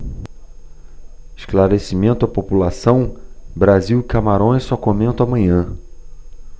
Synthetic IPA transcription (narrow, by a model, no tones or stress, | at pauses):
ɪʃklaɾesimẽnt̪ʊɐpopulasɐ̃w̃bɾaziwkamaɾõj̃sɔkomẽnt̪ʊamɐ̃ɲɐ̃